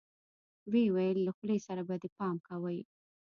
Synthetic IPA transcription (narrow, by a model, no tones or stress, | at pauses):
wewajəlːaxlesaɾabad̪əpɑmkawəj